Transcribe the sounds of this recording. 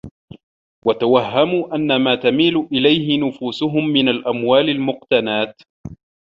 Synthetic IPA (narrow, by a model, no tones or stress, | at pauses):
wat̪awahːamuːʔanːamaːt̪amiːlʊʔɪlajhɪnʊfuːsʊɦʊmːɪnalʔamwaːlalmʊq̚t̪anaːt̪